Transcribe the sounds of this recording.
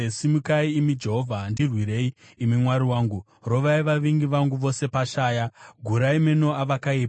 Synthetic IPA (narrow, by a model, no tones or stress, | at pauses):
simukaiːmid͡ʒe̞ɦo̞vʱandirwiɾe̞iːmimwaɾiwaːŋɡu | ro̞ʋaiʋaʋiŋɡiʋaŋɡuʋo̞se̞paʃaːjaɡʱuɾaimeno̞aʋakaiːp